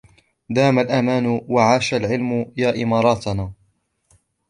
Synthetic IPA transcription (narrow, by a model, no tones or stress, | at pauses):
d̪aːmalʔamaːnʊwaʕaːʃalʕɪlmʊjaːʔɪmɑːɾˤɑːt̪naː